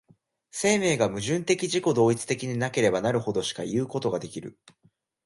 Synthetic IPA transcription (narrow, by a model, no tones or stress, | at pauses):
se̞ːme̞ːɡamɯ̟ʑɨ̃nt̪e̞kʲiʑiko̞d̪o̞ːit͡sɨ̥t̪e̞kʲiɲ̟inake̞ɾe̞banaɾɯ̟ho̞d̪o̞ɕi̥ka̰jɯ̟ːko̞t̪o̞ɡad̪e̞kʲiɾɯ̟̰